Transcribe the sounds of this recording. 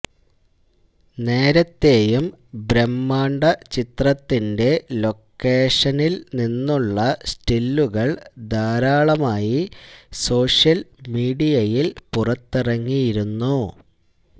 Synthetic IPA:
ne̞ːɾɐt̪ːe̞ːjumbɾemːaːɳɖɐt͡ɕit̪rɐt̪ːinde̞lo̞kːe̞ːʂɐnilninːuɭːɐsʈilːuɣɐɭd̪aːɾaːɭɐmaːjiso̞ːʂjɐlmiːɽijɐjilpurɐt̪ːirɐŋːijiɾunːu

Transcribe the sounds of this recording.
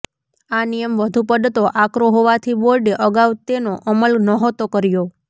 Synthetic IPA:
anijəmʋəd̪ʱupəd̪t̪oʔakɾoɦoʋat̪ʰiboɾɖeʔəɡaʋt̪enoʔəməlnəɦot̪okəɾjo

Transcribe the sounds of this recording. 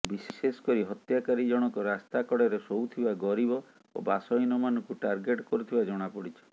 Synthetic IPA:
bisesesɔ̥kɔɾiɦɔt̪jakaɾid͡ʒɔɽ̃ɔkɔɾast̪akɔɽeɾesowt̪ʰibaɡɔɾibɔ | o̰basɔjnɔmanɔŋkuʈaɾɡeʈkɔɾut̪ʰibad͡ʒɔɽ̃apɔɽit͡ʃʰɔ̥

